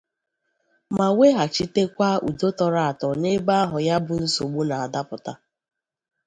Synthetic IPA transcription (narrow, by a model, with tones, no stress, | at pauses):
ma˨we˦ɦa˨t͡ʃi˦te˦kʷa˦ʔṵ˨do˦tɔ˦ɾa˦a˨tɔ˨ne˦ba˦a˦ɦʊ˨ja˦bʊ˨n̩˦so˨ɡ͡bu˦na˨a˨da˦pʊ˨ta˦